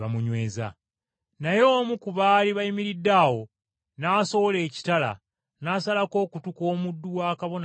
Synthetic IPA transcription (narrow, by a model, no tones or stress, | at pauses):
amuɲweːza̰ | najo̞ːmukuβaːliβajimiɾidːaːwo̞ | naːso̞βole̞ːci̥tala̰ | naːsalako̞ːkutuko̞ːmudːuwaːkaβo̞n